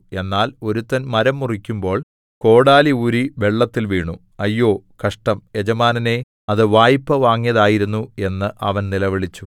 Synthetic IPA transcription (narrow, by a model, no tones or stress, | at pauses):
e̞nːaːlo̞ɾut̪ːɐnmɐɾɐmːurikʲːumbo̞ːɭ | ko̞ːɽaːliuɾiʋe̞ɭːɐt̪ːilʋiːɳu | ɐjːo̞ːkɐʂʈɐme̞d͡ʑɐmaːnɐne̞ | ɐðɨʋaːjipːɐʋaːŋːijɐðaːjiɾunːue̞nːɨʔɐ̰ʋɐnnilɐʋiɭit͡ɕːu̥